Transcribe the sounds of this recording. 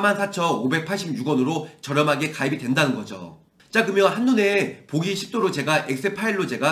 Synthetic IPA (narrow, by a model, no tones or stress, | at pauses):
mansʰat͡ɕʰʌnobe̞k̚pʰaɭɕ͈ib̚juɡwʌnɯɾot͡ɕʌɾjʌmɦaɡe̞kaibidwe̞ndanɯnɡʌd͡ʑo̰ | t͡ɕ͈akɯmjʌnɦanːune̞poɡiɕʰi̥p̚t͈oɾot͡ɕe̞ɡaʔek̚s͈ɯpʰaiɭːot͡ɕe̞ɡa